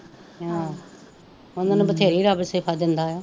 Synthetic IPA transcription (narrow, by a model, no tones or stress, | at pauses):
ãː | onanebət̪ʰeːɾiːɾaːbsepʰaːd̪ɪnd̪aːaː